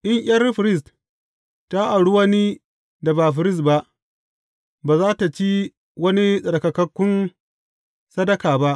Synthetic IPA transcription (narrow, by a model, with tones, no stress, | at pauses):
ʔɪ˦ɲʔj̰ʲɐ˦rɸɪ˨ɾɪ˦s̬t | ta˦ʔa˨ɽu˦wɐ˦ni˦ | da˨baː˨ɸ̬ɪ˨ɾɪ˦s̬tba˦ʔ | baː˨zaː˦ta˨t͡ʃi˦ | wɐ˦ni˦sʼɐ˨ɽkɐ˨kɐ˦kʷːʊ˦n | sɐ˦dɐ˦kaː˨ba˦ʔ